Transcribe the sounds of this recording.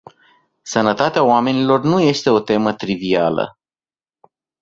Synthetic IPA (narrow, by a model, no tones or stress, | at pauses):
sənət̪at̪eaoame̞nilo̞rnuje̞st̪e̞o̞t̪e̞mət̪ɾivialə̰